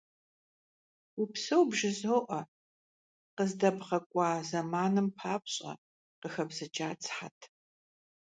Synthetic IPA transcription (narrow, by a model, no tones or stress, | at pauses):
upsɐwbʒɪzoːʔɐ | qəzdɐbʁɐkʷʼɑːzɐmaːnɨmpʰaːpɕʼɐ̰ | qəxɐbzɐd͡ʒʼaːt͡sʰʼħa̰tʰ